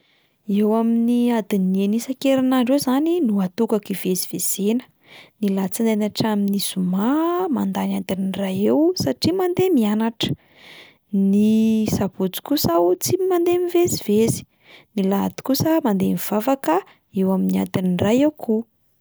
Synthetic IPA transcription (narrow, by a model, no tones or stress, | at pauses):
ewaminiad̪inienisakeɾanaɳɖ͡ʐewzaninuat̪ukakiveziv̥ez̥enə̥ | nilat͡sind̪enaʈ͡ʂaminisumamand̪anad̪inirajewsaʈ͡ʂimand̪emianaʈ͡ʂə̥ | nisab̥ut͡si̥kusawt͡siimand̪emivezivezi̥ | nila̰t̪i̥kusəmand̪emiv̥avakə | ewaminia̰d̪inirajewkʰu